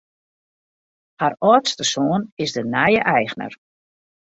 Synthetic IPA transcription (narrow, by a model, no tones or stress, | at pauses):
harɔːtstəsoːnɪzdənɛjəʔɛjxnə̰r